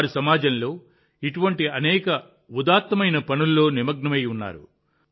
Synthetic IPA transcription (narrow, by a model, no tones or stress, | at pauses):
ɾisɐmaːd͡ʒɐnlo̞ː | iʈuʋɐɳʈiɐnɛːkɐ | ud̪aːt̪mɐmɐjnɐpɐnulːo̞ːnimɐɡnɐmɐjunːa̰ːɾṵ